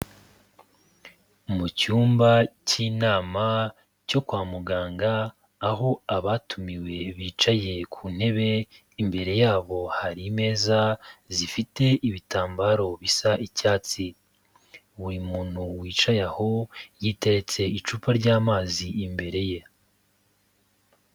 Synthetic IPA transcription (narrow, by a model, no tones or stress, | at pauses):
mucuːmbaciːnaːma | co̞kwaːmuɡaːŋɡaː | ɦo̞aβatumiwe̞βiːt͡ʃaje̞kʰuːn̥he̞βe̞ | imbe̞ɾe̞jaːβo̞haɾime̞ːzazifite̞iβitaːmbaːɾo̞βisaʔicaːt͡si | wimuːn̥huwiːt͡ʃajaho̞jiːte̞ɾe̞t͡se̞it͡ʃuːpaɾɟaːmaːziimbe̞ɾe̞je̞